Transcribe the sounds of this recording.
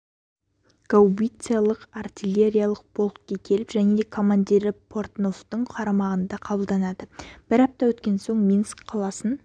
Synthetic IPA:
ɡ̥awbijt̪sɨjalˠəqart̪ʲilʲe̞ɾʲijalˠəq̚b̥o̞lˠt̪̚kʲekʲʰe̞lɪpʒæne̞d̪ekʰo̞mand̪ʲiɾɪpʰo̞ɾt̪no̞ft̪əɴqʰɑɾɑmɑʁənd̪ɑqʰɑbəlˠd̪ɑnɑd̪əb̥ɪɾɑp̚t̪ɑwɵt̪kʲe̞nso̞ɴmʲinskqʰɑlˠɑsən

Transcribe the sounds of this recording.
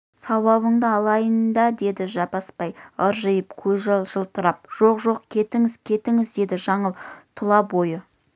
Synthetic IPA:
sɑwɑwəɴd̪əɑlˠɑjənd̪ɑd̪e̞d̪ɪʒɑpɑspɑjəɾʒəjəpkʲʰɵzʒɑlˠʒəlˠt̪əɾɑp̚ʒ̥o̞qʒo̞qkʲʰe̞t̪ɪŋɪzkʲʰe̞t̪ɪŋɪzd̪e̞d̪ɪʒɑɴəlˠt̪ʰʊlˠɑbo̞jə

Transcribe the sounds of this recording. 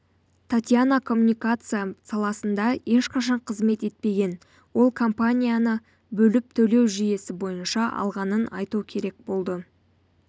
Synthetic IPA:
t̪ʰat̪ʲjanakʰo̞mːunʲijkat̪sɨjasɑlˠɑsənd̪ɑe̞ʃqɑʃɑɴqʰəzme̞t̪e̞t̪̚pe̞ɡʲe̞n | wo̞lˠkʰo̞mpanʲijanə | bɵlɪp̚t̪ʰɵle̞wʒije̞sɪbo̞jənʃɑʔɑ̰lˠʁɑnənɑ̰jt̪ukʲʰe̞ɾe̞k̚bo̞lˠd̪ə

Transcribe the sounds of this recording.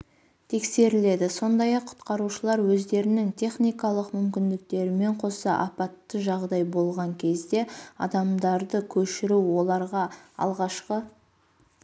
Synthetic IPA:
t̪ʰe̞kse̞ɾɪle̞d̪ɪso̞nd̪ɑjɑqʰːʊ̥t̪qɑɾuʃəlˠɑɾwɵzd̪e̞ɾɪnɪŋt̪ʰʲe̞χnijkɑlˠəqmʏmkʲɪnd̪ɪk̚t̪e̞ɾɪme̞ɴqʰo̞sə̰ʔɑ̰pɑt̪ːəʒɑʁd̪ɑjbo̞lˠʁɑŋkʲʰe̞zd̪e̞ɑ̰d̪ɑmd̪ɑɾd̪əkʲʰɵʃɪɾuwwo̞lˠɑɾʁɑɑ̰lˠʁɑʃqə

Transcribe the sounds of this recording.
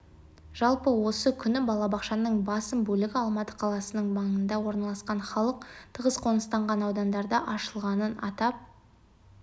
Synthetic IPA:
ʒ̥ɑlˠpəwo̞səkʲʰʏnɪbɑlˠɑbɑqʃɑnəɴbɑsəmbɵlɪɡʲɪɑlˠmɑt̪ə̥qʰɑlˠɑsənəɴbɑɴənd̪ɑwo̞ɾnɑlˠɑsqɑnχɑlˠəqt̪ʰəʁəzqʰo̞nəst̪ɑɴʁɑnɑwd̪ɑnd̪ɑɾd̪ɑʔɑʃəlˠʁɑnənɑ̰t̪ɑp̚

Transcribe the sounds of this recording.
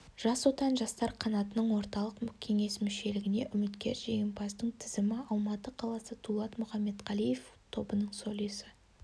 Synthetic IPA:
ʒ̥ɑswo̞t̪ɑnʒɑst̪ɑɾqʰɑnɑt̪ənəɴwo̞ɾt̪ɑlˠəqkʲʰe̞ŋe̞smɪʃe̞lɪɡʲɪne̞ʔʏmɪt̪kʲe̞ɾʒeɡʲenpʰɑsd̪əɴt̪ʰɪzɪmɪɑlˠmɑt̪əqʰɑlˠɑsət̪ʰulˠɑt̪mʊχɑmːe̞t̪qɑlˠijeft̪ʰo̞bənəɴso̞lˠijsɪ

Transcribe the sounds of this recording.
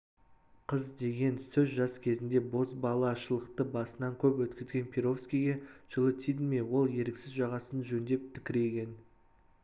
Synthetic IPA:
qʰəzd̪e̞ɡʲe̞nsɵzʒɑskʲʰe̞zɪnd̪e̞bo̞sbɑlˠɑʃəlˠəqt̪əbɑsənɑŋkʲʰɵpwɵt̪kʲɪzɡʲe̞npʲʰeɾo̞fskʲijɡʲeʒ̥əlˠət̪ʰid̪mewo̞lˠje̞ɾksɪzʒɑʁɑsənʒɵnd̪e̞p̚t̪ʰɪkʲɪɾe̞kʲe̞n

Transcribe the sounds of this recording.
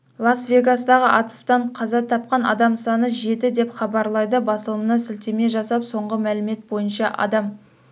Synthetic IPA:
lˠɑsvʲe̞ɡasəd̪ɑʁəʔɑt̪ə̥st̪ɑɴqʰɑzɑt̪ʰɑp̚qɑnɑ̰d̪ɑmsɑnəʒe̞t̪ɪd̪e̞pχɑbɑɾlˠɑjd̪əbɑsəlˠəmənɑsɪlt̪eme̞ʒɑsɑpso̞ɴʁəmælɪme̞t̪̚bo̞jənʃɑʔɑ̰d̪ɑm

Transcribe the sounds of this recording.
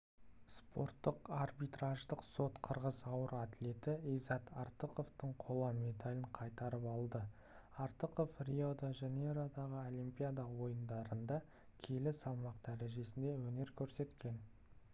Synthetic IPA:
spʰo̞̰ɾt̪ːəqɑrbit̪raʒd̪əqso̞t̪qʰəɾʁəzɑwəɾat̪le̞t̪ɪijzɑt̪ɑɾt̪əqo̞ft̪əɴqʰo̞lˠɑme̞d̪alʲɪɴqʰɑjt̪ɑɾəpɑlˠd̪ə | aɾt̪əqo̞frʲiod̪aʒeneɾad̪ɑʁəolimpʲijad̪ɑwo̞jənd̪ɑɾənd̪ɑ | kʲʰe̞lɪsɑlˠmɑqd̪æɾe̞ʒe̞sɪnd̪e̞wɵne̞ɾkʲʰɵɾse̞t̪kʲe̞n

